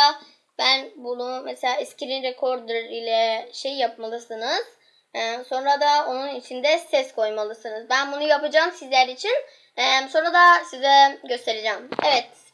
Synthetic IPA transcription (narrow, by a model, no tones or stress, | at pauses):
a | b̥ænbunumeselʲaːɛsciɾinɾekʰo̞ɾd̪ɯɾilʲɛʃejːapmalˠɯsɯnɯz̥ | ɛso̞nɾad̪ao̞nunit͡ʃʰind̪ɛsɛskʰo̞jmalˠɯsɯnɯzbænbunujapad͡ʒaːmsizlʲæɾit͡ʃʰin | ɛmso̞nɾad̪asizɛɟø̞st̪ʰe̞ɾed͡ʒɛːmevɛt̪̚